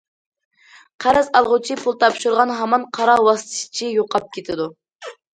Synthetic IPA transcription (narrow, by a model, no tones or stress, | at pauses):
qʰæɾɪzɑlˠʁʊt͡ʃʰipʰulˠt̪ʰɑpʃuɾʁɑnɦɑmɑnqʰɑɾɑwɑst̪ʰɨ̥ʃt͡ʃʰijoqʰɑp̚kʲet̪ʰɪd̪u